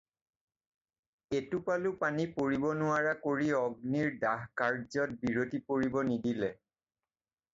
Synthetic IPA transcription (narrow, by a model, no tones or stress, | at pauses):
etʊpalʊpanipoɹibɔnʊaɹakoɹiɔɡ̚niɹdaɦkaɹzɔt̚biɹotipoɹibɔnidilɛ